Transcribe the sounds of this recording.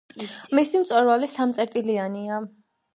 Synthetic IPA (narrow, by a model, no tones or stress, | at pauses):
misimt̪sʼɛɾwalisamt̪sʼɛɾt̪ʼiliania